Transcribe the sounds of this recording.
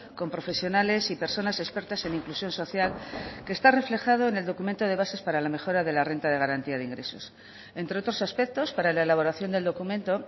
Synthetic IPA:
ko̞mpɾo̞fe̞sjo̞nale̞sipe̞ɾso̞nase̞spe̞ɾt̪ase̞niŋklusjo̞nso̞θjalkeːst̪are̞fle̞xað̞o̞eneld̪o̞kument̪o̞ð̞e̞β̞ase̞spaɾalame̞xo̞ɾaðe̞lare̞nt̪að̞e̞ɣ̞aɾant̪iaðeiŋɡɾe̞so̞̰s | ent̪ɾe̞o̞t̪ɾo̞saspe̞k̚t̪o̞spaɾalaelaβo̞ɾaθjo̞nd̪e̞ld̪o̞kumẽ̞nt̪o̞

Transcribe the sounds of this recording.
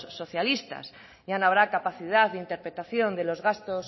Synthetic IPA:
sso̞θjalist̪a̰s | ʝanoaβ̞ɾakapaθið̞aððeint̪e̞ɾpɾe̞t̪aθjo̞nd̪e̞lo̞zɣast̪os

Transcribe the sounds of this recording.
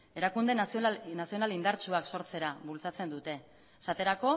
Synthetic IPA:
e̞ɾakund̪enasio̞nalind̪aɾt͡ʃuakso̞ɾt͡se̞ɾaβult͡sat͡se̞nd̪ut̪e̞ | sat̪e̞ɾako̞

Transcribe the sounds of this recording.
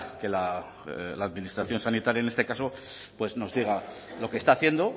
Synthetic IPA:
ke̞la | laːðminist̪ɾaθjo̞nsanit̪aɾjaene̞st̪e̞kaso̞ | pwe̞zno̞zðiɣ̞a | lo̞ke̞st̪aːθje̞nd̪o

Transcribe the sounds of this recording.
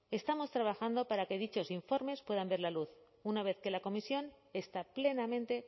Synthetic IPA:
e̞st̪amo̞st̪ɾaβ̞axand̪o̞paɾake̞ðit͡ʃo̞siɱfo̞ɾme̞spwe̞ð̞ambe̞ɾlaluθ | unaβe̞θke̞lako̞misjo̞n | e̞st̪aple̞namẽnt̪e̞

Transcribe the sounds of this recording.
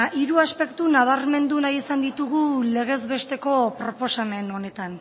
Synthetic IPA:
iɾuaspe̞kt̪unaβ̞aɾme̞nd̪unajesand̪it̪uɣ̞ule̞ɣ̞e̞zβe̞st̪e̞ko̞pɾo̞po̞same̞no̞ne̞t̪an

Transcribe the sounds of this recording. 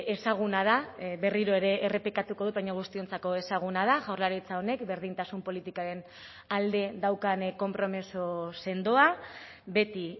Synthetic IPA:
e̞saɣ̞unað̞aβe̞riɾo̞e̞ɾe̞ʔːre̞plikat̪uko̞ð̞utβajɲoɣ̞ust̪io̞nt͡sako̞e̞saɣ̞unað̞aʝawɾlaɾit͡sao̞ne̞kbe̞ɾðint̪asumpo̞lit̪ikaɾe̞n | ald̪e̞ðawkanko̞mpɾo̞misose̞nd̪oa | be̞t̪i

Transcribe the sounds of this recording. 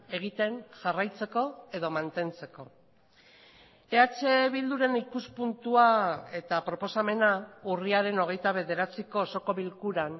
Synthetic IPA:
e̞ɣ̞it̪e̞nʝarajt͡se̞ko̞e̞ðo̞mant̪e̞nt͡se̞ko̞ | eat͡se̞βild̪uɾe̞nikuspunt̪uae̞t̪apɾopo̞same̞nauriaɾe̞no̞ɣ̞e̞jt̪aβe̞ðe̞ɾat͡siko̞ːso̞koβilkuɾan

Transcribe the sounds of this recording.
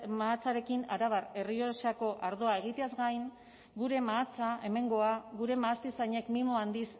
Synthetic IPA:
maːt͡saɾe̞kinaɾaβare̞rio̞sako̞ʔaɾðoae̞ɣ̞it̪eazɡajŋ | ɡuɾe̞maːt͡sae̞me̞ŋɡo̞aɣuɾe̞maːst̪isaɲe̞kmimo̞and̪is

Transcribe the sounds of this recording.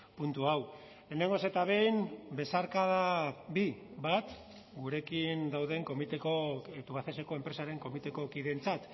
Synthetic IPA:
punt̪uaw | le̞ːne̞ŋɡo̞se̞t̪aβ̞e̞jnbe̞saɾkað̞aβiβat̪ | ɡuɾe̞kind̪awðe̞ŋko̞mit̪ekot̪uβaθese̞ko̞e̞mpɾe̞saɾe̞ŋko̞mit̪e̞ko̞kiðe̞nt͡sat̪

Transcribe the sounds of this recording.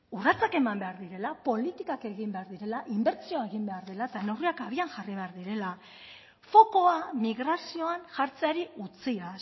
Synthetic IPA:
urat͡sake̞mambe̞aɾðiɾe̞lapo̞lit̪ikake̞ɣimbe̞aɾðiɾe̞laʔimbe̞ɾt͡sioae̞ɣ̞imbe̞aɾðe̞laet̪ane̞wriakaβianʝariβe̞aɾðiɾe̞la | fo̞ko̞amiɣɾasio̞anʝaɾt͡seaɾiut͡sia

